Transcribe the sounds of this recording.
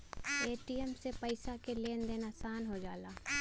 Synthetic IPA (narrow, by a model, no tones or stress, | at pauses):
eːʈijəmsepəɪsakeleːnd̪eːnasaːnɦod͡ʒaːlaː